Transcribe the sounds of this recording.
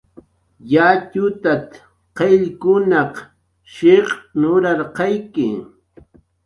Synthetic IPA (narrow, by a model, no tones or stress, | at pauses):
jat͡ʃʊt̪at̪ | qeʎkʊnɑq | ʃɪqnʊɾɑɾqɑjkɪ